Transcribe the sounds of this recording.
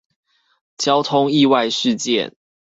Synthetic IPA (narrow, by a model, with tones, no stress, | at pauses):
t͡ɕjɑ˦ʊt̪ʰʊ˦ŋi˥˧wa˥˧ɪʂɻ̩˥˨t͡ɕjɛ̰˥˨n